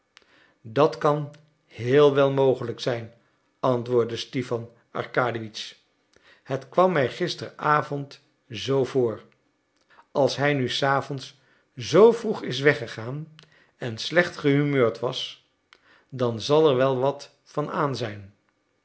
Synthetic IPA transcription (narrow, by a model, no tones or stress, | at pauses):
dɑtkɑn | hɪːlˠʋɛlˠmowχələksɛjn | ɑntʋʊːɹdəstifɑn | ɑ̰ɹkaːdiʋits | hətkʋɑmːɛjχɪstərʔaːvɔnt | zowvʊːɹ | ɑlˠsɦɛjnysaːvɔns | zowvruχɪs̬ʋɛχəχaːn | ɛnslɛχtχəɦymøːɹtʋɑs | dɑnzɑlˠɛɹʋɛlˠʋɑt | fɑnaːnzɛjn